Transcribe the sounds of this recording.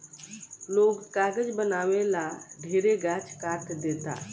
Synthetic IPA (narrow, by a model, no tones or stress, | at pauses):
loːɡkaːɡəd͡ʒbənaːwelaɖʱeːɾeɡat͡ʃʰkaːɾt̪ʰd̪eːt̪a̰